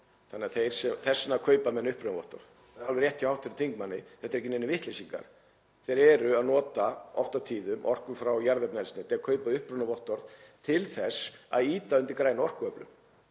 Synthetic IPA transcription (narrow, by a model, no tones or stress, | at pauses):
θanːɪaθejɾ̥sɛmθɛsːnakʰœːɥpamɛnːʏhpɾʏnaɔ̰ht̪ɔ̰ɾð | ɾalvɪɾrjɛht̪ʰːjawht̪ʰɪɾʏt̪ʰiŋkmanːɪ̰θɛht̪aɾɛcɪnejnɪvɪht̪lejsiŋka̰ɾ̥ | θejɾɛɾʏaðnɔːt̪aɔft̪at̪ʰiːðʏmʔɔ̰r̥kʏmfɾawjaɾðɛpnɛlsnɪt̪ʰɛakʰœːɥpaðʏhpɾʏnavɔht̪ɔɾðt̪ʰɪlθɛsa̰ðiːt̪aʏnt̪ɪɾkɾaːjnaɔr̥kʏœplʏ̰m